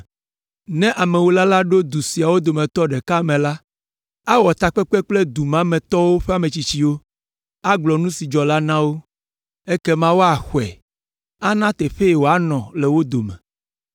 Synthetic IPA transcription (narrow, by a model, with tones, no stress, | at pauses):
nɛ̃˦ʔa˨mɛ̃˨wo˦la˦la˦ɖo˦d̪u˨si˨a˨wo˦d̪o˨mɛ̃˨t̪ɔ˦ɖɛ˨ka˦mɛ̃˨la˦ | a˦wɔ˨t̪a˨k͡pɛ˦k͡pɛ˦k͡plɛ˦d̪u˨mã˦mɛ̃˨t̪ɔ˦wo˦ɸɛ˦a˨mɛ̃˨t͡ɕi˦t͡ɕi˦wo˦ | a˦ɡ͡blɔ˨nũ˦si˨d͡ʒɔ˨la˦nã˦wo˦ | e˦kɛ˦mã˦wo˦a˨xwɛ̰˨ | a˦nã˦t̪ɛ˨ɸe˦e˨wo˨a˦nɔ̃˨lɛ˨wo˦d̪o˨mɛ̰̃˨